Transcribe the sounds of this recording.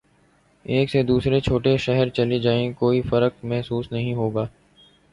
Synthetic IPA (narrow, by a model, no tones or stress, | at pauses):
eːksed̪uːsɾet͡ʃʰoːʈeʃɛɦɛɾt͡ʃɐlid͡ʒaːẽkoːifɐɾək̚mɛɦsuːsnɐɦĩɦoːɡaː